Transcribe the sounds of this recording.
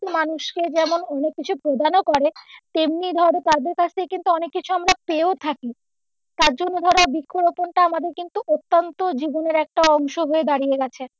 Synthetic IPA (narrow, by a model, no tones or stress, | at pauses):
manuʃked͡ʑɛmonɔnekːit͡ɕʰupɾod̪ʱanokɔɾet̪emnid̪ʱɔɾet̪ad̪eɾkat͡ɕʰt̪ʰekekint̪uɔnekːit͡ɕʰuamɾapeot̪ʰaki | t̪aɾd͡ʑonːod̪ʱɔɾabikʰːoɾoponʈaamad̪eɾkint̪uʔot̪ːant̪od͡ʑiboneɾɛk̚ʈaɔŋʃoɦoed̪aɾijeɡɛt͡ɕʰe